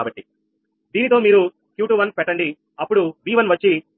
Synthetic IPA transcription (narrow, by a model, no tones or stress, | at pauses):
abɐʈːi | d̪iːnit̪o̞ːmiːɾu | kjuːʈuːʋɐnpɛʈːɐɳɖi | ɐpːuɽuʋiːʋɐnʋɐt͡ʃːi